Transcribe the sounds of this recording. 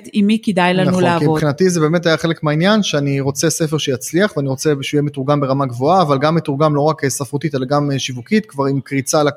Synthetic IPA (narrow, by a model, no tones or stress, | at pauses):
timikidajlnananulaviboχinatizebe̞ːme̞tajaχe̞lekmeainjanʃeaniʁo̞t͡se̞sef̬e̞ʁʃejat͡sliaχveaniʁo̞t͡sebʃujemetuʁɡambeʁamaɡvo̞aːvalɡamːetuʁɡamlo̞ʁakesafʁot̪itelaɡameʃivukit̪kvaʁimkʁit͡sala